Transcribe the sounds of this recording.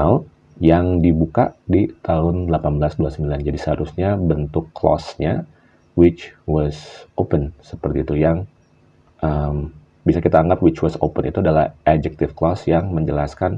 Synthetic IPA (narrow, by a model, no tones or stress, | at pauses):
al | jaŋdibuka̰dit̪aɦʊndlapanbəlasduasəmbiland͡ʒadisəɦaɾusɲabənt̪ʊkːlɔ̰sɲa | wɪt͡ʃwɔsopənsəpərt̪iːt̪ujaŋ | ʔəm | bisakit̪aːŋɡapwɪt͡ʃwɔso̰pənḭt̪uadalahʔɛd͡ʒɛk̚t̪ɪfklɔsjaŋməɲd͡ʒəlaskan